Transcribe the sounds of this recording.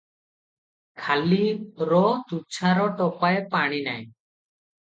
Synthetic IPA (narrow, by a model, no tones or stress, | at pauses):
kʰaliɾɔt̪ut͡ʃʰaɾɔʈɔpajpaɽ̃ina̰j